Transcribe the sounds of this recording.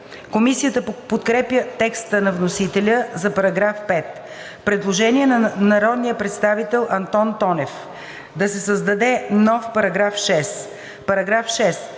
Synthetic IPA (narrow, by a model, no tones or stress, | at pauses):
komisijət̪əpot̪kɾɛpjət̪ɛkst̪ənɐvnosit̪ɛlʲəzɐpɐɾɐɡɾafpɛt̪ | pɾɛd̪lˠoʒɛniɛnɐnɐɾɔd̪nijəpɾɛt̪st̪avit̪ɛlˠʔɐnt̪ɔnt̪ɔnɛf | d̪ɐsɛsəzd̪ɐd̪ɛnɔfpɐɾɐɡɾafʃɛs | pɐɾɐɡɾafʃɛs